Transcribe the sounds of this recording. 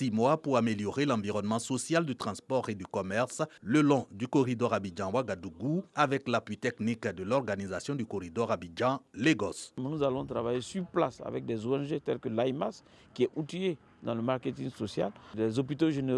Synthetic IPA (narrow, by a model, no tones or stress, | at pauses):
simwapuʁameljɔʁelɑ̃viʁɔnmɑ̃sɔsjald̪yt̪χɑ̃spɔʁed̪ykɔmɛʁsləlɔ̃d̪ykɔʁid̪ɔʁabid͡ʒɑ̃waɡad̪uɡuavɛklapɥit̪ɛknikd̪əlɔʁɡanizasjɔ̃d̪ykɔʁid̪ɔʁabid͡ʒɑ̃leɡɔsmnuzalɔ̃t̪ɾavajesyʁplasa̰vɛk̚d̪ɛzoɛnʒet̪ɛlkəlaimas | kʲiɛut̪ije | d̪ɑ̃ləmaʁket̪ĩŋɡsɔsja̰llɛzopit̪oʒene